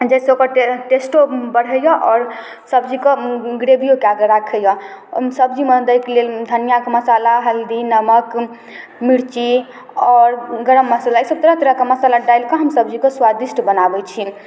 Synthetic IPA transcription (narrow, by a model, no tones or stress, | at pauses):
d͡ʒɛɪseokəɾʈesʈobəɽ̤əjɔʔɔːɾ | səbd͡ʒikeɡɾebijokeaɡeɾakʰəjɔsəbd͡ʒimed̪əkleld̪ʱənijakeməsalaɦəld̪inəmək | miɾt͡ʃi | ɔɾɡəɾəmːəsalaejsəb̚t̪əɾət̪ɾəkeməsalaɖajlkɔɦəmsəb̚d͡ʒikeswad̪isʈbənabɛt͡ʃʰi